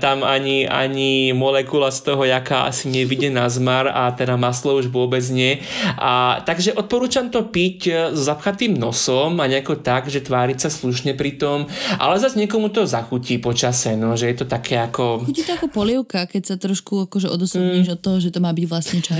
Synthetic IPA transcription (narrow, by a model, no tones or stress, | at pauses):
t̪amaɲia̰ɲimɔlɛkulast̪ɔɦɔjakaʔa̰siɲɪɛʋiɟɛnazmaɾa̰t̪ɛd̪amaslɔuʒʋʊɔbɛd͡zɲɪɛat̪aɡʒɛʔɔt̪̚pɔɾuːt͡ʃamt̪ɔpiczɔzapxat̪iːmnɔsɔmaɲɛakɔt̪aɡʒɛt̪ʋaːɾicsasluʃɲɛpɾit̪ɔmʔa̰lɛzazɲɪɛkɔmut̪ɔzaxuciːpɔt͡ʃasɛnɔʒɛjɛt̪ɔt̪akʰɛːakɔuit̪ɔakɔpɔliɛʊkakɛcsat̪ɾɔʃkuakɔʒɛʔɔd̪ɔsuɲiːʒɔt̪ːɔɦɔʒɛt̪ɔmaːbiɟʋlasɲɛt͡ʃa